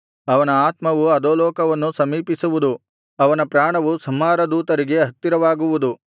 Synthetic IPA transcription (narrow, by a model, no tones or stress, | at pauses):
ɐʋɐnɐaːt̪mɐʋuɐd̪oːlɔːkɐʋɐnːusɐmiːpisuʋud̪u | ɐʋɐnɐpɾaːɳɐʋusɐmːaːɾɐd̪uːt̪ɐɾiɡe̞ɦɐt̪ːiɾɐʋaːɡuʋud̪u